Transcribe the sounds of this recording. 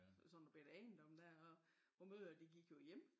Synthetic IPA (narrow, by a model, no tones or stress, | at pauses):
sɒnb̥ed̥ɛnd̥ɒ̽md̥æɐɒ | ʋɒmøðˠɐd̥iɡ̥iɡ̥jo̝jem̰